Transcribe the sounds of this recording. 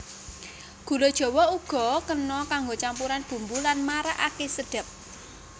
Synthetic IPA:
ɡ̥ṳlod̥ʒ̥ɔ̤wɔuɡ̥ɔ̤kənɔkaŋɡot͡ʃampuɾanb̥ṳmbulanmaɾaʔakesəɖ̥ə̤p̚

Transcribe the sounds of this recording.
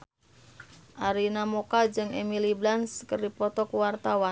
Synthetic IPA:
ʔaɾinamokad͡ʒɨŋemiliblanskərdipɔt̪ɔkuwart̪awa

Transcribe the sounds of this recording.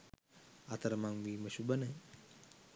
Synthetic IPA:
at̪əɾəmaŋʋiːməʃubənəj

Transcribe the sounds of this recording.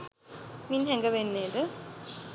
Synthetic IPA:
minɦɛŋɡəʋenːeːd̪ə

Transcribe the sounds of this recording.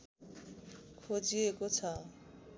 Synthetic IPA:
kʰod͡ʑiekot͡ɕʰa

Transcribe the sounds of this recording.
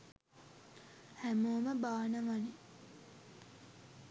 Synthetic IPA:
hæmoːməbaːnəʋɐne

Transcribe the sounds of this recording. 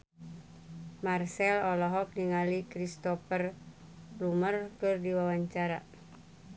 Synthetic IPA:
marsɛlɔlɔɦɔk̚niŋalikɾist̪ɔfər | lumərkʊrdiwawaɲt͡ʃaɾa̰

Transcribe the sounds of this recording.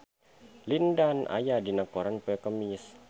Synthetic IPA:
lindanʔa̰jadinakoɾanpɛkəmis

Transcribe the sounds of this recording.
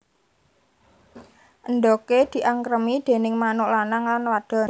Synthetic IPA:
ʔənɖ̪oked̪̥i̤ʔaŋkɾəmid̪̥e̤nɪŋmanʊʔlanaŋlanwad̪̥ɔ̤

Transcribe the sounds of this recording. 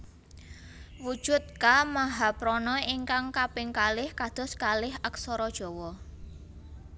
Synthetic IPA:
wud̥ʒ̥ʊ̤t̪̚kamaɦapɾɔnɔiŋkaŋkapɪŋkalɪhkad̪̥ɔ̤skalɪhəksɔɾɔd̥ʒ̥ɔ̤wɔ

